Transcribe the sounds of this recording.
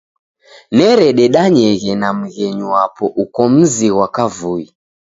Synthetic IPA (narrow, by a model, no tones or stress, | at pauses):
nɛɾɛɗɛɗaɲɛɣɛnam̩ɣɛɲuwapɔʔukɔm̩ziɣwakavui